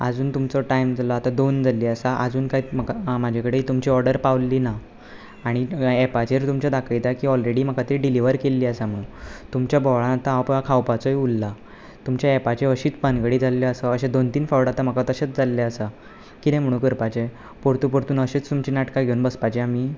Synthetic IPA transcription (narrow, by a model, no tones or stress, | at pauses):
a̰d͡zuːnt̪umt͡sɔʈaimd͡zalɔat̪ad̪ond͡zʱalːiːəsaʔəd͡zuːnkajməkamad͡ʑʱekəɽeit̪umt͡ɕiɔɾɖəɾpawlːiːna | aɽ̃iɛpat͡ɕeɾt̪umt͡ɕjad̪akʰit̪akiːɔlɾeɽiːm̤əkat̪ɾiɖiliʋəɾkelːiːəsam̤əɽũnt̪umt͡ɕjabɔʋɭãnat̪aːwpakʰawpat͡sɔjulːa | t̪umt͡ɕjaɛpat͡ɕeəɕiːt͡spanɡəɽiːd͡zʱalːeəsəəɕed̪ont̪iːnfawɽat̪am̤əkat̪əɕet͡sd͡zalːaəsa | kid̪ɛ̃m̤əɽ̃ũːkəɾpat͡ɕe | poɾt̪uːpɔɾt̪uːnəɕeːt͡st̪umt͡ɕiːnaʈkaɡʱeunbəspat͡ɕeamiː